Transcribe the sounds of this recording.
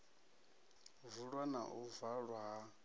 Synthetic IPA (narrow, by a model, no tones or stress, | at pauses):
vuɺwana̰ʔuvaɺwaɦa